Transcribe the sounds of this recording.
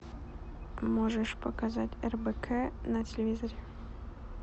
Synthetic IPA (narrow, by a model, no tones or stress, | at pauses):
moʐəʂpɐkazatʲɛrbəkʰɛnɐtʲɪlʲevʲizoɾʲe